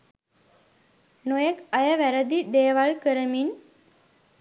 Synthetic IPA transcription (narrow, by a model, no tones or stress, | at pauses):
nojekɐjəʋæɾəd̪id̪eːʋaɭkəɾəmin